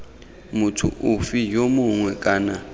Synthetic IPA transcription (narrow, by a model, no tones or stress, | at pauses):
mʊtʰʊ̰ʊfijomʊŋwɛkʼaːna